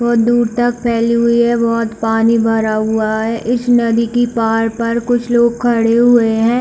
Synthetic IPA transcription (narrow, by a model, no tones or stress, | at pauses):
bɔːt̪̚d̪uːɾt̪ɐk̚pʰɛːliɦʊiɦɛbɔɦt̪paːnibʱɐɾaɦʊaɦɛʔɪsnɐd̪ikipaːɾpɐɾkʊt͡ʃʰloːɡ̚kʰɐɽeɦʊeɦɛ̃ː